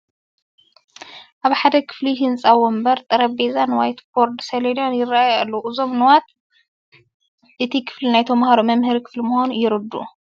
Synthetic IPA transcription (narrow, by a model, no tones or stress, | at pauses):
ʔaβħad̪ɐkʰɨ̥fliɦɨnt͡sʼawɔmbɐɾt̪ʼɨɾɐbezanwajt̪boɾd̪seled̪anjɪrːaʔajalːuʔɨzo̞mnɨwat̪ | ʔɨt̪ʰikʰɨ̥flinajt̪ʰɐmhaɾomɐmhɨɾikʰɨ̥flimʊhonujɪɾɨd̪ṵ